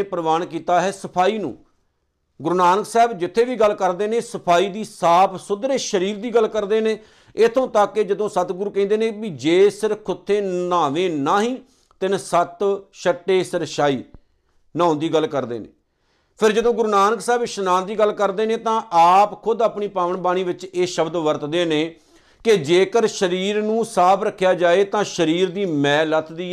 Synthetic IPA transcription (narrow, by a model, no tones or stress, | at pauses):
pɾəʋaːnkiːt̪aːɦɛːsəpʰaːiːnṵ̃ː | ɡʊɾunaːnəksɛːbd͡ʒɪt̪ʰːeːʋiːɡəlkəɾd̪eːneːsəpʰaːiːd̪iːsaːpʰsʊd̪ɾeːʃəɾiːɾd̪iːɡəlkəɾd̪eːneː | ɪt̪ʰõːt̪aːkːeːd͡ʒəd̪õːsət̪ɡʊɾuːkɛ̃ːnd̪eːnẽːbid͡ʒeːsɪɾkʰʊt̪ʰːeːnaːʋẽːnaːɦĩː | t̪ɪnsət̪ʃəʈːeːsɪɾʃaːiː | nãːõnd̪iːɡəlkəɾd̪ḛːnḛ̃ː | pʰɪɾd͡ʒəd̪õːɡʊɾuːnaːnəksɛːbʃnãːnd̪iːɡəlkəɾd̪eːnẽːt̪ãːʔaːpkʰʊd̪əpɳiːpaːʋəɳbaːɽ̃iːʋɪt͡ʃeːʃəbd̪ʋəɾt̪d̪eːneː | kɪd͡ʒeːkəɾʃəɾiːɾnũːsaːbʰɾəkʰːjaːd͡ʒaːeːt̪ãːʃəɾiːɾd̪iːmɛ̃ːlət̪ʰd̪iː